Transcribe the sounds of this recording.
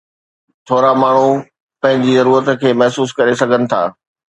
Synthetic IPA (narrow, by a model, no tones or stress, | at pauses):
t̪ʰoːɾamaːɳ̤u | pɐ̃ɦɪ̃ɲd͡ʑizɐɾuːɾət̪kʰeːmɐɦsuːskɐɾesɐɡʱənɪ̆t̪ʰa̰ː